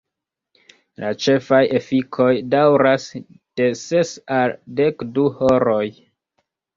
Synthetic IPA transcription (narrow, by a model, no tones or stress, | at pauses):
lʔat͡ʃe̞faje̞fikʰo̞jdawɾas | d̥e̞se̞salde̞kduhoɾo̞j